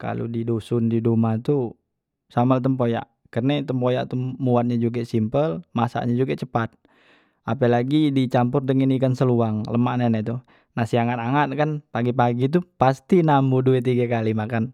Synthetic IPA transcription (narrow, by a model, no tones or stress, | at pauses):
ka̰lṵdidosundidumat̪u | samalt̪əmpoja̰ʔ | kərnɛt̪əmpojaʔt̪umuat̪̚ɲad͡ʒuɡasimpəlmasa̰ʔɲad͡ʒuɡat͡ʃəpat̪̚ | apəlaɡidit͡ʃampʊrdəŋinikansəluaŋləmaʔnanɛt̪u | nasiaŋat̪aŋat̪̚kanpaɡipaɡit̪̬upast̪inambuduɛt̪̬iɡakalimakan